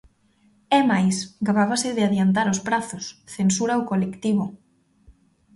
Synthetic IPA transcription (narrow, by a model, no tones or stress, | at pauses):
ɛmajsɡaβaβasɪðɪaðjant̪aɾʊspɾaθʊsθensuɾaokolekt̪iβʊ